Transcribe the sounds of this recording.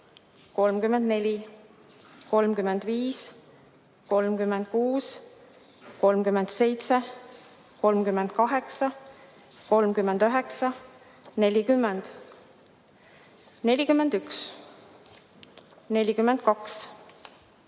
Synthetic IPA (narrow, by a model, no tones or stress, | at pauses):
ko̞lmkymːend̪ne̞lʲi | ko̞lmkymend̪̥viːs | ko̞lmkymːend̪̥̚kuːs | ko̞lmkymend̪̥se̞jt̪se | ko̞lmkymːend̪̥kɑɦe̞ksɑ | ko̞lmkymːend̪yɦe̞ksɑ | ne̞lʲikymːend̪̥ | ne̞lʲikymːend̪̥yks | ne̞lʲikymːend̪̥̚kɑks